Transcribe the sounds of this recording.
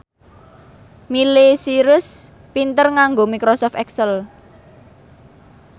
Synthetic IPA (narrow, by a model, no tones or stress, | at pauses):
milesiɾʊs | pint̪ərŋaŋɡomikɾosɔft̪ɛksəl